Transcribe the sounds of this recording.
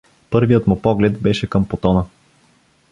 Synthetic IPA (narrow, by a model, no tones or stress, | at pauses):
pɤɾvijət̪mʊpɔɡlɛt̪bɛʃɛkɤmpot̪ɔnə